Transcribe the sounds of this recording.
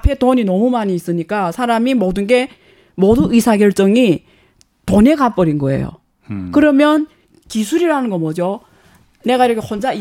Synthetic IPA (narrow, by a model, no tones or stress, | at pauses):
apʰe̞toɲinʌmumaɲiːs͈ɯɲik͈asʰaɾamimʌdɯnɡe̞ | moduisʰaɡjʌɭt͡ɕ͈ʌŋi | tone̞ɡap͈ʌɾinɡʌe̞̰jo̰ | kɯɾʌmjʌn | kisʰuɾiɾanɯnɡʌmʌd͡ʑo | ne̞ɡaiɾʌkʰehond͡ʑai